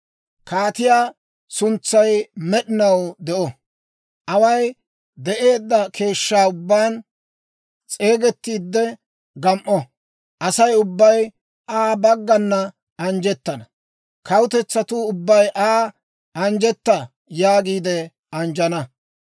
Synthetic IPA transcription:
kaːt̪ɪjaː | sʊnt͡sːɐjmɛɗɪnɐwd̪ɛʔɔ | ʔɐwɐj | d̪ɛʔe̞ːd̪ːɐkʰe̞ːʃːaːʊbːaːn | t͡sʼe̞ːɡɛt̪ːiːd̪ːɛ | ɡɐmʔːɔ | ʔɐsɐjʊbːɐj | ʔaːbɐɡːɐnːɐ | ɐnd͡ʒɛt̪ːɐnɐ | kɐwʊt̪ɛt͡sːɐt̪uʊbːɐjʔaː | ɐnd͡ʒɛt̪ːɐ | jaːɡiːd̪ɛ | ɐnd͡ʒɐnɐ

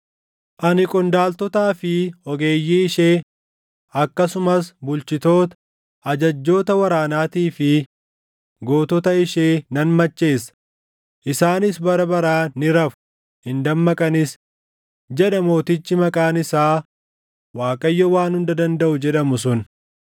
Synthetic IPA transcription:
ʔɐnɪkʼɔnd̪aːlt̪ɔt̪aːfɪɔɡe̞ːjːiɪʃe̞ː | ɐkːɐsʊmɐsbʊlt͡ʃɪt̪o̞ːt̪ɐ | ʔɐd͡ʒɐd͡ʒːo̞ːt̪ɐwɐɾaːnaːt̪iːfɪ | ɡo̞ːt̪ɔt̪ɐɪʃeːnɐnmɐt͡ʃːe̞ːs | ʔɪsaːnɪsbɐɾɐbɐɾaːnɪɾɐfʊ̥ | hɪnd̪ɐmːɐkʼɐnɪs | d͡ʒɛᶑɐmo̞ːt̪ɪt͡ʃːɪmɐkʼaːnɪsaː | waːkʼɐjːɔwaːnhʊnd̪ɐd̪ɐnd̪ɐʔʊd͡ʒɛᶑɐmʊs̬ʊn

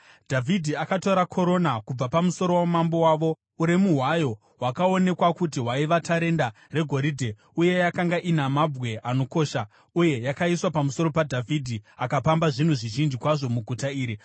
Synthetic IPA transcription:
dʱavʱidʱiakato̞ɾakʰo̞ɾo̞nakub͡vapamuso̞ɾo̞wamambo̞waːʋo̞ | uɾemuɦwajo̞ | ɦwakao̞ne̞kwakutiɦwaiʋatʰaɾe̞nda | re̞ɡʱo̞ɾidʱe̞ | uje̞jakaŋɡaʔinamab͡vɣwe̞ʔano̞ko̞ːʃa | uje̞jakaiswapamuso̞ɾo̞padʱavʱidʱiakapambaʐin̤uʐiʒind͡ʒikwaʐo̞muɡʱutaiːɾi

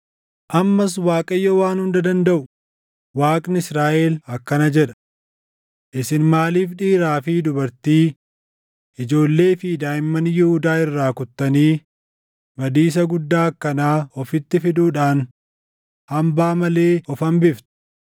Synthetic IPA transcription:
ʔɐmːɐs̬waːkʼɐjːɔwaːnhʊnd̪ɐd̪ɐnd̪ɐʔʊ | waːkʼnɪɪsɾaːʔeːlɐkːɐnɐd͡ʒɛᶑɐ̥ | ʔɪsɪnmaːliːfᶑiːɾaːfiːd̪ʊbɐɾt̪iː | ʔɪd͡ʒo̞ːlːe̞ːfiːd̪aːjɪmːɐnjɛhʊd̪aːɪrːaːkʊt̪ːɐniː | bɐd̪iːs̬ɐɡʊd̪ːaːkːɐnaːɔfɪt̪ːɪfɪd̪uːᶑaːn | hɐmbaːmɐle̞ːɔfɐmbɪft̪ʊ̥

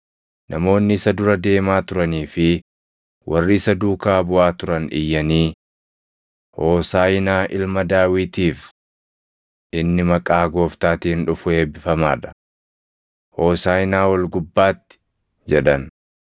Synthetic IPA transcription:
nʔɐ̰mo̞ːnːɪɪsɐd̪ʊɾɐd̪e̞ːmaːt̪ʊɾɐniːfɪ | wʔɐrːiːɪsɐd̪uːkaːbʊʔaːt̪ʊɾɐnɪ̰jːɐniː | hoːsaːjɪnaːʔɪlmɐd̪aːwɪt̪iːf | ʔɪnːɪmɐkʼaːɡo̞ːft̪aːt̪ihnᶑʊfʊe̞ːbɪfɐma̰ːᶑɐ̥ | hoːsaːjɪnaːwɐlɡʊbːaːt̪ːɪ̥ | d͡ʒɛᶑɐn

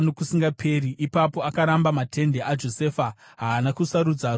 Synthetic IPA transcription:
nokusiŋɡapʰe̞riʔipapo̞akaɾambamatʰe̞nde̞ʔad͡ʒo̞sefa | ɦaːnakusaɾud͡za

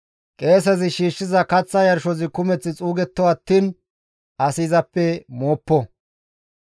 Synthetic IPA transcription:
kʼe̞ːs̬ɐzɪʃiːʃːɪzɐkɐt͡sːɐjɐɾʃɔzɪkʊmɛt͡sːɪt͡sʼuːɡɛt̪ːɔwɐt̪ːiːn | ʔɐsiːzɐpːɛmoːpːɔ

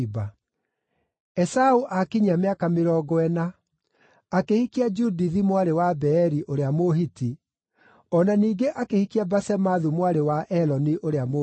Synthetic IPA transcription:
ba | ɛsauʔakiɲameakameɾɔɡɔɛnaː | kehikiad͡ʒudiðimwaɾewabɛːɾiʔoɾeamoɦiti | ɔnaniːɡeʔakehikiabasɛmaðumwaɾewaʔɛlɔniʔoɾeamo

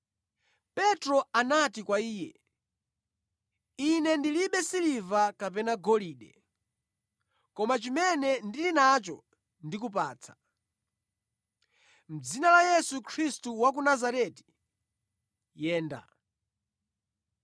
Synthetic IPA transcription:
pɛtɾɔanatikwaiːjɛ̰ | inɛndiliɓɛsilivakapɛnaɡɔliːɗɛ | kɔmat͡ʃimɛnɛndilinat͡ʃɔ | ndik̬up̬aːt͡sʰḁ | m̩d͡zinalajɛsukʰɾistuwak̬unazaɾɛti̥ | jɛːnda̰

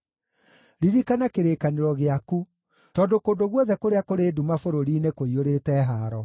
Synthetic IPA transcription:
ɾiɾikanakeɾekaneɾɔɣeaku | tɔdokodoɣwɔðɛkoɾeakoɾeːdumafoɾoɾiːnekoioɾetɛɦaɾɔ

